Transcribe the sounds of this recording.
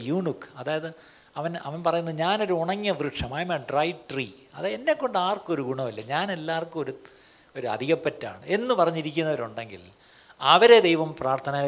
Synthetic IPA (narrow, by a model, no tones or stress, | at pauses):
juːɳikːɐðaːjɐðɨ | ɐʋɐnɐʋɐnpɐrɐjunːɐðɨɲaːno̞ɾuuɳɐŋːɐʋrɨʂɐmaːjmaːɖrɐjʈri | ɐðenːe̞kːo̞ɳɖaːrko̞ɾuɡuɳɐmilːɐɲaːne̞lːaːrkumo̞ɾu | o̞ɾuɐ̰d̪ʱiɣɐpːɐtːa̰ːɳɨe̞nːupɐrɐɲːiɾikʲːunːɐʋɐɾuɳɖe̞ŋɡḭl | ɐʋɐɾe̞d̪ejʋɐmpraːrt̪ʰɐnaː